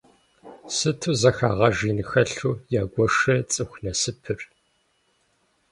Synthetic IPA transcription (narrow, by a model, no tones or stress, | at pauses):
sɨtʰuzɐxa̰ːʁɐʒiːnɨxɐɬuːjaːɡʷɔʂɐt͡sʼɨxʷnɐsɨpʰɨr